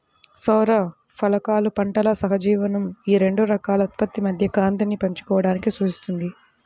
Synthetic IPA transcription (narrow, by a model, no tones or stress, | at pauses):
sɐwɾɐ | pʰɐlɐkaːlupɐɳʈɐlɐsɐɦɐd͡ʒiːʋɐnɐmiːɾe̞ɳɖuɾɐkaːlɐɐt̪i̥pɐt̪ːimɐd̪ʱjɐkaːnt̪ɐnːipɐɲt͡ʃu̥kɔːɐɽaːnikisud͡ʒist̪und̪i